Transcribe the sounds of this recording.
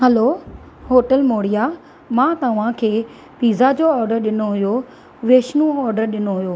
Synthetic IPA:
hɛlo | ɦoːʈəlmoːɽija | mãːt̪ɐʋ̤ãkʰeː | piːzad͡ʑoɔːɾɖəɾɗɪnoɦʊjo | ʋeːʃnũɔːɾɖəɾɗɪnoɦʊjoː

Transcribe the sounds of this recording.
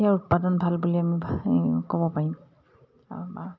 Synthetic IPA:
iaɹʊt̚padɔnbʱalbuliamibkɔbɔpaɹim̰ | ba

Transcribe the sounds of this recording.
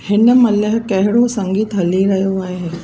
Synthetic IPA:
hɪnə̆mɐləɦkɐɦɪɽosɐ̃ŋɡiːt̪ɦɐliɾɐɦijoaːɦeː

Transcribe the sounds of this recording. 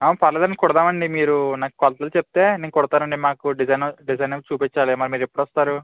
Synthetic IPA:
aːpɐɾlɐːd̪ɐːnkɔɽɐd̪aːmɐɳɖimiːɾunaːku̥kɔlɐt̪ɐlut͡ʃep̚t̪e̞ːneːnkuɽɐt̪aːɾɐɳɖimaːkuɖid͡ʒɐjnɐɖizɐjnɐt͡ʃuːpit͡ʃːaːlimɐɾimiːɾepːuɽʋɔst̪aːɾu

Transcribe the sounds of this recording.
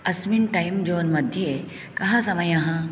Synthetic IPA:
ɐsminʈajmd͡ʒoːnmɐd̪ʱje | kɐɦãsɐmɐjɐ̃ɦɐ̃

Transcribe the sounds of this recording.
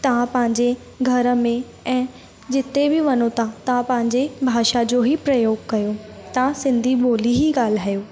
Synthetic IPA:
t̪ɐʋ̤ãpɐ̃ɦɪ̃ɲd͡ʑe | ɡʱɐɾə̆mẽ | ɛ̃ː | d͡ʑɪt̪ebɪʋɐnot̪ʰat̪ãpɐ̃ɦɪ̃ɲd͡ʑebʱaːʃad͡ʑoːɦipɾɐjoːɡkɐjot̪ãsɪ̃nd̪ʱiɓoːliɦiɡaːl̤aːjoː

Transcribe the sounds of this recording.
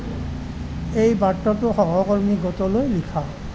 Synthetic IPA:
ejbaʈːɔt̪oɦɔɦɔkoɹmiɡɔt̪olojlikʰa

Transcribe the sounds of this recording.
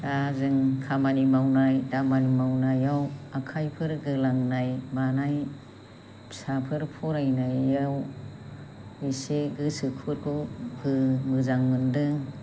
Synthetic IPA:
dazɯŋkʰamanimawnajdamanimawnajawakʰajpʰɯɾɡɯlaŋnajbanaj | sapʰɯɾpʰɔɾajnajːaw | biseɡɯsɯkʰuɾkʰubɯmɯzaŋmɯndɯŋ

